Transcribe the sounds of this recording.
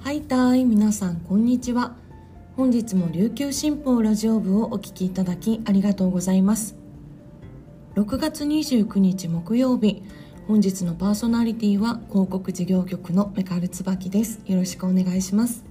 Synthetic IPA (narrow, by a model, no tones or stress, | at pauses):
hait̪aimʲinasãŋkõ̞ɲ̟ːit͡ɕiβa | hõ̞ɲ̟d͡ʑit͡sɨmo̞ɾʲɨːkʲɨːɕĩmpo̞ːɾaʑio̞bɯ̟o̞ʔokʲi̥kʲiːt̪ad̪akʲiaɾʲiɡat̪o̞ːɡo̞zaimasɨ̥ | ɾo̞kɯ̟ɡat͡sɨɲ̟iʑɨːkɯ̟ɲ̟it͡ɕimo̞kɯ̟jo̞ːbʲi | hõ̞ɲ̟d͡ʑit͡sɨno̞paːso̞naɾʲit̪ʲiːβako̞ːko̞kɯ̟ʑiɡʲo̞ːkʲo̞kɯ̟no̞me̞kaɾɯ̟t͡sɨbakʲid̪e̞sɨ̥jo̞ɾo̞ɕi̥kɯ̟o̞ne̞ɡaiɕimasɨ̥